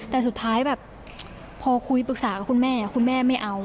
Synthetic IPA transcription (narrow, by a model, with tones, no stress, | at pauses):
t̪ɛː˨˩s̬u˨˩t̪ʰːaː˦˥jbɛː˨˩p̚ | pʰɔː˧kʰu˧˥jpɯ˨˩k̚saː˩˦ka˧˩kʰu˧nmɛː˥˩ɲa˨˩kʰu˧nmɛː˥˩ma˥˩jʔa˧w